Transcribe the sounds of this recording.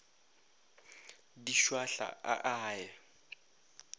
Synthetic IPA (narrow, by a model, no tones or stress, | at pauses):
diʃwaɬa̰a̰ʔaːjɛ